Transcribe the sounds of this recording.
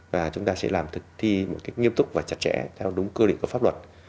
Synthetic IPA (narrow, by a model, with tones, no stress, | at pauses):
vaː˨˩t͡ɕʊ˨˦ŋ͡mt̪aː˧sɛ̰˧˥laː˨˩mt̪ʰɨ˨˩k̚t̪ʰi˧mo̰˧˨˩t̚kaː˦˥jk̚ŋi˧əmt̪ʊ˦˥k͡p̚vaː˨˩t͡ɕa˨˩t̚t͡ɕɛ̰˧˥t̪ʰɛ˧wɗʊ˨˦ŋ͡mkəː˧lḭ˧˨ku˧˩fa˦˥p̚lwə˨˩t̚